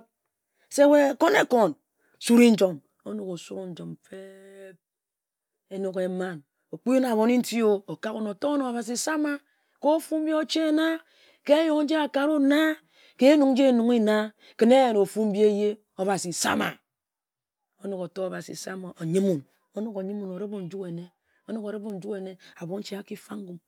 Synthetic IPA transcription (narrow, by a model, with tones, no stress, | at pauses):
se˦we˦˨ko˦ne˦ko˨n | su˦ɾi˦n̩˦d͡ʒo˨m | o˦no˨ko˨su˦ɾo˦n̩˦d͡ʒo˨mfe˦ | e˦no˦ke˨˦ma˦n | o˨k͡pi˦na˨βo˨ni˦n̩˦ti˦o˦o˨ka˦ko˦no˨to˦o˦no˨a˨βa˨s̬i˨sa˦ma˨ | ko˦fu˦m̩˦be˦o˦t͡ʃe˦na˦ | ke˦jo˨ŋ˦n̩˦d͡ʒe˦a˨ka˨ɾu˦na˦ | ke˦e˦nu˨ŋn̩˦d͡ʒe˦˨nu˨ŋi˦na˦ | ke˨˦ne˦je˨no˨fu˦m̩˦bi˦e˦je˦ | o˦ba˨si˨sa̰˦ma̰˨ | o˦no˨ko˨to˦a˨ba˨sḭ˨sa˦ma˨o˨ɲi˦mu˨n | o˦no˨ko˨ɲi˦mu˨no˨ɾe˦bo˨n̩˨˦d͡ʒu˦ke˨ne˨˦ | o˦no˨ko˨ɾe˦bo˦n̩˨˦d͡ʒu˦ke˨ne˦a˨bo˨n̩˦t͡ʃe˦a˦ki˦fa˦ŋ˦ɡu˨m